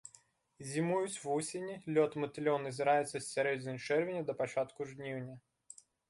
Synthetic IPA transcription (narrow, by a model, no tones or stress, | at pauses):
zʲɪmujʊsʲvusʲɪnʲɪlʲot̪mət̪ʲɪlʲonəzʲɪɾajɪt̪səsʲːɐɾʲed͡zʲɪnəʂɛrvʲɪnʲəd̪əpɐt͡ɕat̪kʊʐnʲivnʲə